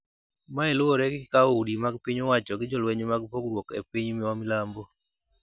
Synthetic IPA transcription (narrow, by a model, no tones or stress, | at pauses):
maeloɾɛɡɪkaudimaɡpiɲowat͡ʃɔɡɪd͡ʒɔlweɲmaɡpoɡɾwokḛpiɲmɪwamɪlambo